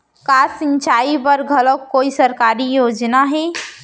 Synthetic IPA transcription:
kasint͡ʃaibəɾɡʱələkkːoːisəɾkaːɾijoːd͡ʒnaɦɛ

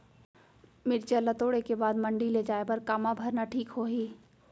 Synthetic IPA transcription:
mɪɾt͡ʃelɐt̪oːɽekebaːd̪mɐ̃ɳɖiled͡ʒaːebɐɾkaːmabʱɐɾnaʈʰiːkɦoːɦiː

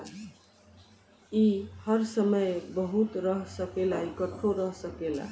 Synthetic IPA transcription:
ihəɾsəməjbəɦut̪ɾəɦsəkelaikəʈʰːoɾəɦsəkela̰

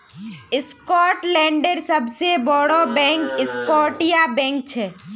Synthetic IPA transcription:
ɪskɔːʈlɛ̃ːɳɖəɾsəbsebɔɽobɛ̃ːŋkɪskɔːʈijabɛ̃ːŋk̚t͡ʃʰɛː

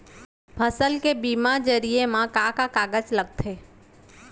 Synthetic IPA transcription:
pʰəsəlkebiːmad͡ʒəɾiemãkaːkakaːɡət͡ʃləɡ̚t̪ʰeː

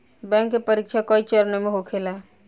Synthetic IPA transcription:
bɛ̃ŋkːepəɾik̚t͡ʃʰakɔit͡ʃəɾnəmeɦokʰela

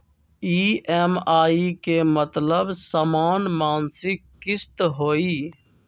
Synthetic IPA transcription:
iːeːmaːiːkemət̪ləbsaːmaːnmaːnsɪkːɪst̪ɦoːiː

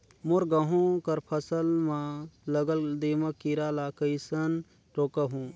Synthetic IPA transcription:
moɾɡɐɦõkɐɾpʰɐsəlmalɐɡəld̪emɐkiɾalakəisɐn | ʈoːkɐɦũː

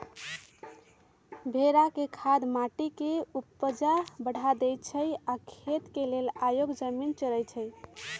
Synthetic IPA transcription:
bʱeɾakekʰad̪maʈikeupːəd͡ʒabəɽ̤ʱad̪ɛj̪t͡ʃʰəjakʰet̪kelelajoɡd͡ʒəmint͡ʃəɾəjt͡ʃʰəj

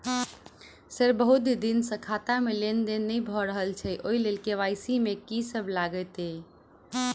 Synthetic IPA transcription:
seɾbəɦud̪d̪insə̃kʰat̪amelend̪enːəjbʱɔɾəɦəlt͡ʃʰɛʔoilelkeʋajsimekisəbʱlaɡət̪e

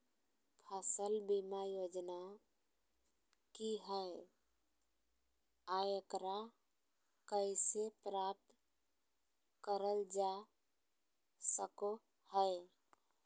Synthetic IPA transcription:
pʰəsəlbimajod͡ʒna | kiɦəe | ajəkɾa | kəɪsepɾap̚t̪ | kəɾəld͡ʒa | səko | həe

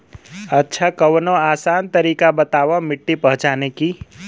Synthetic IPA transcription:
ətːʃʰakəwnõaːsaːnt̪əɾiːkabət̪aʋãmɪʈːipəɦʊ̃t͡ʃaːneki

